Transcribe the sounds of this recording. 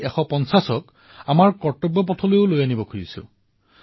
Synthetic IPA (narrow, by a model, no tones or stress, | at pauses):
ɛxɔpɔnsasɔk | amaɹkɔɹtɔbːɔp̬ɔtʰɔlojʊlojanibɔkʰuɹisʊ̰̃